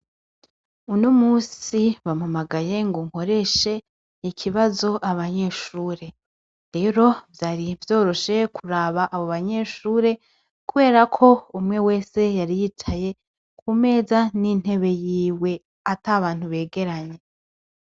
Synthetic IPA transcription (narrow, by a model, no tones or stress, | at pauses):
unomuːsiβamamaɡaje̞ŋɡoŋ̥ho̞ɾe̞ʃe̞ | ikʰiβazo̞ʔaβaɲe̞ʃuːɾe̞ | ɾe̞ːɾo̞vjaːɾivjo̞ːɾo̞ʃe̞kʰuɾaːβaʔːβoβaɲe̞ʃuːɾe̞ | kuβe̞ːɾakʰo̞umŋe̞we̞ːse̞jaɾijit͡ʃaje̞ | kʰume̞ːzanin̥he̞βe̞jiːwe̞ | ataβaːn̥huβe̞ːɡe̞ɾaɲe̞